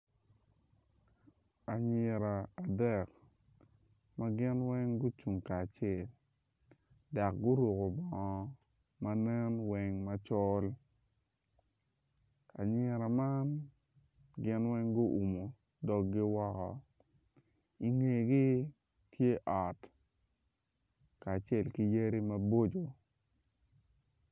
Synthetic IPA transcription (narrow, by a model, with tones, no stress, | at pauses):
a˨ɲɪ˨ɾa˨a˨dɛ˨k | ma˦ɡɪ˦nwɛ˦ŋɡʊ˦t͡ʃu˨ŋkaː˨t͡ʃɛ˦˨l | da˨k̚ɡʊ˦ɾu˨ko˨bɔ˨ŋɔ˨ | ma˦nɛ˦nwɛ˨ŋma˦t͡ʃɔ˦l | ka˨ɲɛ˦ɾa˨ma˦n | ɡɪ˦nwɛ˦ŋɡʊ˦ʔu˨mo˨ | dɔ˨ɡːɪ˦wɔ˦kɔ̰˨ | i˨ŋe˨ɡi˦ | tʰje˦ʔɔ˨t | kaː˨t͡ʃɛ˦˨lki˦je˦ɾi˦mɐ˦bo˦d͡ʒo˨